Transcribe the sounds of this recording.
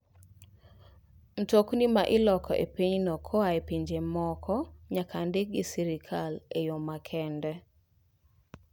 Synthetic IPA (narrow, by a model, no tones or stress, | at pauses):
n̩toknimaʔɪlɔkɔ̰ʔḛpiɲnɔkʰɔaepiɲd͡ʒemɔkʰɔɲakʰandek̚ɡɪsiɾikʰalejomakʰɛndɛ